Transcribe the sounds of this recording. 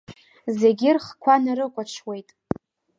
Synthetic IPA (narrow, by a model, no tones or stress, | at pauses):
ze̞ɡʲɪrχkʷʰanaɾɨkʷʼaʈ͡ʂʰwe̞jtʼ